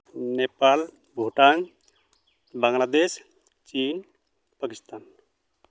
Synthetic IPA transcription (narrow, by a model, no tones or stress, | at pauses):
nepal | bʱuʈaŋ | baŋlad̪es | t͡ʃin | pakist̪an